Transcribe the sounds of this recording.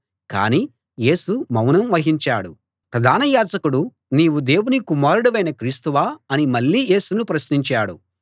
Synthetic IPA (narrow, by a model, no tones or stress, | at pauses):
ka̰ːniː | je̞ːsumɐwnɐmʋɐɦiɲt͡ʃaːɽṵ | pɾɐd̪ʱaːnɐjaːd͡ʒɐkuɽu | niːwud̪e̞ːwunikumaːɾuɽɐʋɐjnɐkɾiːst̪uʋaːɐnimɐɭːiːje̞ːsunupɾɐsniɲt͡ʃaːɽṵ